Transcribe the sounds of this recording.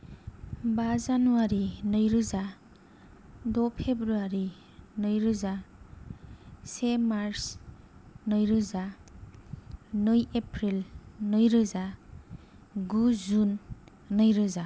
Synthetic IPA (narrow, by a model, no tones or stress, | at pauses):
bazanuaɾinʌjɾɯza | dopʰebɾuaɾi | nɯjɾɯza | semaɾs | nʌjɾɯza | nɯjepʰɾilnɯjɾɯza | ɡuzunː | ʌjɾɯza